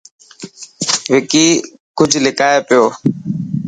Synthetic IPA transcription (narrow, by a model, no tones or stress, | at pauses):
ʋɪkiː | kʊd͡ʒʱlɪkaːeːpɪjoː